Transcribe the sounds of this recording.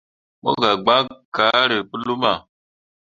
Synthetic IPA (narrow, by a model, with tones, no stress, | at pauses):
mo̰˦ɡa˨ɡ͡ba˦ka˨˦ɾi˨pu˦lu˦ma˨